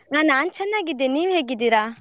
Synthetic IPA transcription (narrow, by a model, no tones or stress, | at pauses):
aːnaːnt͡ʃʰɐnːaːɡid̪ːeniːʋɦeːɡid̪iɾaː